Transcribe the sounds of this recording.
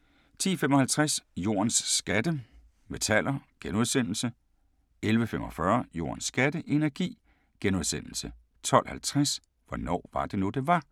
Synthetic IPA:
t͡sʰḭːfemɒ̽hælt͡sʰʁasjo̝̰ːɐnsːɡ̥æd̥ə | me̝t͡sʰæl̰ɐɡ̥enuð̞ˠsen̰l̩sə | elʋəfemɒ̽fɶɐjo̝̰ːɐnsːɡ̥æd̥əʔe̝næɐɡ̥ḭː | ɡ̥enuð̞ˠsen̰l̩sə | t͡sʰɒ̽l̰hælt͡sʰʁas | ʋɒnɒ̰ːʋɑ̈d̥e̝nud̥e̝ʋɑ̈

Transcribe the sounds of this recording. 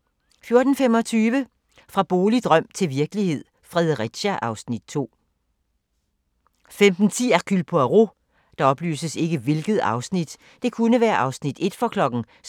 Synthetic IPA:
fjo̝ɐd̥n̩femɒ̽t͡sʰyːʋə | fʁɑ̈b̥o̝ːlid̥ʁɶm̰t͡sʰe̝lʋiɐɡ̥əlihe̝ð̞̰ˠ | fʁɛðˠʁid̥ɕɐʔɑ̈ʊsnid̥̚t͡sʰo̝̰ː | femd̥n̩t͡sʰḭːækʰylpʰɒ̽æʁo̝ | d̥ɑ̈ɒ̽b̥ly̰ːsəse̝ɡ̥əʋe̝lɡ̥ð̩ˠɑ̈ʊsnid̥ | d̥e̝kʰunəʋæːɐʔɑ̈ʊsnid̥e̝d̥fɒkʰlɒ̽ɡ̥n̩

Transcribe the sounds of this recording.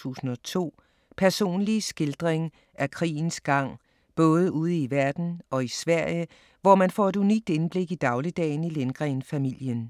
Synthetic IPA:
ṵːsn̩ɒ̽t͡sʰo̝̰ː | pʰæɐso̝̰ːnlisɡ̥e̝ld̥ʁeŋ | ækʰʁḭːn̩sɡ̥ɑ̈ŋ̰ | b̥ɔ̽ːð̞ˠəuð̞ˠəiʋæɐd̥n̩ʔɒ̽isʋæɐ̰jə | ʋɒmænfɒ̰ːe̝duniɡ̥̚d̥enb̥le̝ɡ̥id̥ɑ̈ʊlid̥ɛ̰ːɪnilenɡ̥ʁɛːnfæmil̰jən

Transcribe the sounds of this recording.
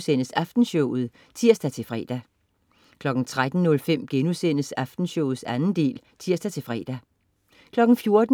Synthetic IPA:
sen̰əsæfd̥n̩ɕɔʊð̩ˠ | t͡sʰiɐ̰sd̥æt͡sʰe̝fʁɛ̰ːd̥æ | kʰlɒ̽ɡ̥n̩t͡sʰʁad̥n̩nɔ̽lfem̰ɡ̥enusen̰əsæfd̥n̩ɕɔʊð̩ˠsænn̩d̥e̝̰ːlt͡sʰiɐ̰sd̥æt͡sʰe̝fʁɛ̰ːd̥æ | kʰlɒ̽ɡ̥n̩fjo̝ɐd̥

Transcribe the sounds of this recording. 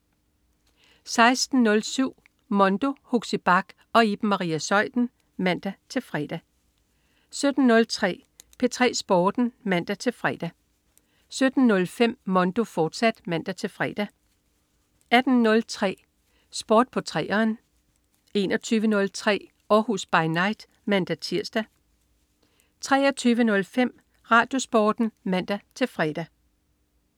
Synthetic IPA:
sɑ̈ɪsd̥n̩nɔ̽lsyʊ̰ | mɒ̽nd̥o̝huɡ̥sib̥ɑ̈ɡ̥ | ɒ̽ib̥̩mɑ̈ʁḭːæsɒ̽ɪ̰d̥n̩ | mæn̰d̥æt͡sʰe̝lfʁɛːd̥æ | sød̥n̩ːɔ̽lt͡sʰʁɛ̰ːpʰe̝t͡sʰʁɛ̰ːsb̥ɒːd̥n̩mæn̰d̥æt͡sʰe̝lfʁɛːd̥æ | sød̥n̩nɔ̽lfem̰mɒ̽nd̥o̝fɒːd̥sæd̥mæn̰d̥æt͡sʰe̝lfʁɛːd̥æ | æd̥n̩ːɔ̽lt͡sʰʁɛ̰ː | sb̥ɒːd̥̚pʰɒ̽t͡sʰʁɛ̰ːɐːn | e̝ːnɒt͡sʰyːʋənɔ̽lt͡sʰʁɛ̰ː | ɒhusb̥ɑ̈ɪnɑ̈ɪd̥ | mænd̥æt͡sʰiɐ̰sd̥æ | t͡sʰʁɛ̰ːɐt͡sʰyːʋənɔ̽lfem̰ | ʁɑ̈ːd̥jo̝sb̥ɒːd̥n̩mæn̰d̥æt͡sʰe̝lfʁɛd̥æ

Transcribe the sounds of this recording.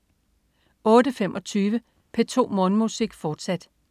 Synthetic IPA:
ɔ̽ːdəfem̰ʔɒ̽t͡sʰyːʋə | pʰet͡sʰo̝̰ːmɔ̽nmusiɡ̥fɒːd̥sæd̥

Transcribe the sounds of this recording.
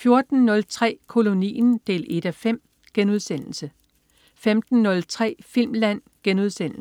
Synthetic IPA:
fjo̝ɐd̥n̩nɔ̽lt͡sʰʁɛ̰ːkʰo̝lo̝nḭːnd̥e̝̰ːle̝d̥æfem̰ | ɡ̥enuð̞ˠsen̰l̩sə | femd̥n̩ːɔ̽lt͡sʰʁɛ̰ːfil̰mlæn̰ | ɡ̥enuð̞ˠsen̰l̩

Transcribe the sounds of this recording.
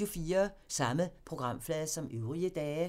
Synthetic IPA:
ufiːɐsɑ̈məpʰʁo̝ɡ̥ʁɑ̈m̰flɛðˠsɒ̽møʊʁiəd̥ɛː

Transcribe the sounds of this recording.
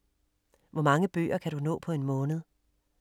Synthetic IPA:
ʋɒmɑ̈ŋəb̥ø̰ːɐkʰæɾunɔ̰̽ːpʰɒ̽e̝nmɔ̽ːnəð̩ˠ

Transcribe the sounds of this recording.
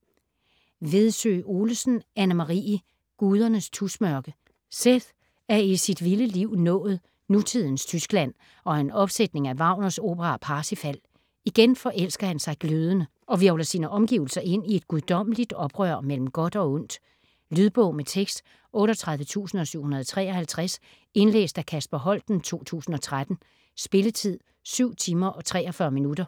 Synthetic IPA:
ʋe̝ð̞ˠsø̰ːo̝ːləsn̩ænəmɑ̈ʁḭː | ɡ̥uːð̞ˠɐnəst͡sʰusmœɐɡ̥ə | seð | æɐisid̥ʋiləliʊ̰nɔ̰̽ːð̞̩ˠ | nut͡sʰið̰ˠn̩st͡sʰysɡ̥læn̰ | ɒ̽e̝nɒ̽b̥sed̥ne̝ŋæʋɑ̈ʊ̰nɐso̝̰ːb̥əʁɑ̈pʰɑ̈ːsifæl̰ | iɡ̥enfɒ̽ʔel̰sɡ̥ɐhænsɑ̈ɪɡ̥løːð̞ˠənə | ɒ̽ʋiɐlɐsiːnəʔɒ̽mɡ̥iʊl̩sɐʔe̝n̰ie̝d̥̚ɡ̥uð̞ˠd̥ɒ̽m̰əlid̥ɒ̽b̥ʁœɐ̰mel̰m̩ɡ̥ɒ̽d̥ɒ̽ɔ̽n̰d̥ | lyðˠb̥ɔʊmet͡sʰeɡ̥sd̥ | ʔɔ̽ːɾɐt͡sʰʁäð̞ˠʋət͡sʰṵːsn̩ɒ̽syʊ̰hunɐð̞ˠɒt͡sʰʁɛ̰ːɒ̽hælt͡sʰʁas | e̝nlḛːsd̥ækʰæsb̥ɐɦɒ̽l̰d̥n̩t͡sʰo̝̰ːt͡sʰṵːsn̩ɒ̽t͡sʰʁad̥n̩ | sb̥e̝lət͡sʰið̰ˠ | syʊ̰t͡sʰiːmɐʔɒ̽t͡sʰʁɛ̰ːɒ̽fɶːɐminudɐ

